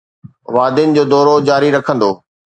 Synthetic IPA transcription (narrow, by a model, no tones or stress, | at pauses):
ʋaːd̪ɪnɪ̆d͡ʑoːd̪ɔːɾod͡ʑaːɾiɾɐkʰə̃nd̪oː